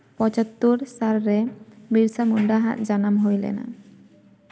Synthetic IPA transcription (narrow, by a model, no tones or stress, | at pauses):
pɔt͡ʃat̪ːuɾsaɾːɛbiɾsamuɳɖaɦa̰ʔ̪̚d͡ʒanamɦojlɛ̰na̰